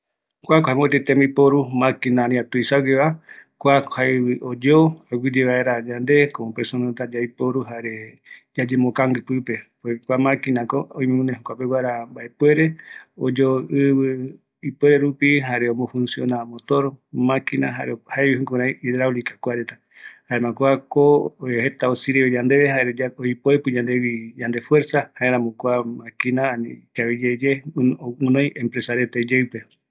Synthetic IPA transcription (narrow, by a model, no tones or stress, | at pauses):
kʷakohẽmot̪et̪emõipoɾumãkinãɾĩat̪uisaɡeβakʷakhaβɨʔod͡ʒoaɡid͡ʒeβaeɾad͡ʒand̪e̞komõpeɾsonat̪ad͡ʒaipoɾuɦaɾe̞ | d͡ʒad͡ʒemõkãŋɡɨpɨpe̞pwekʷamãkinãkoõĩmẽmõnẽɦokʷapewʷaɾambaʔepwe̞ɾe̞o̰d͡ʒoɨβɨ | ipweɾeɾupiɦaɾeõmõfũnsjõnamot̪oɾomãkina̰ɦa̰ɾehaeβihũkuɾãjʔidɾawlikḁkʷaɾet̪a | haemãkʷakoohet̪aosiɾiβed͡ʒand̪e̞βeɦaɾeaojpoepɨd͡ʒãnd̪ewid͡ʒand̪efwe̞ɾsahaeɾãmokʷamãkinaanikaβid͡ʒed͡ʒeoũnõjʔẽmpɾesaɾet̪ed͡ʒewpe